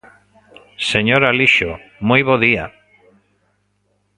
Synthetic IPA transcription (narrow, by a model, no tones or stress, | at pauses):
seɲoɾaliʃomujβoðia